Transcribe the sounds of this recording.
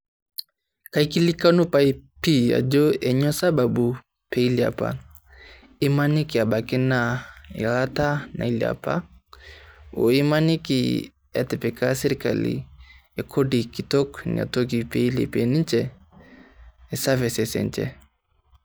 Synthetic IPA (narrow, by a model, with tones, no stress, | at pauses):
ka˨iki˦li˦kanu˦paipi˦a̰˨d͡ʒɔ˦ɛ˨ɲɔ˦sa˦babu˨ | pɛ˨i˦lia̰˨pa̰ | i˦ma˦ni˦ki˨a˨ba˨ki˦na˨ḭ˨ata˦na̰˨ilia̰pa̰˦ | o̰˨i˦ma˦ni˦kḭ | ɛ˨tɛ˨pɛkasɛɾika̰lḭja˨kʰɔdiki˨tɔ˦knḭa̰˨tɔɡipɛilḭ˨pɛni˦t͡ʃɛ | ɛ˨sa˦vɛ˨sɛsɛ̰˨nt͡ʃɛ̰˨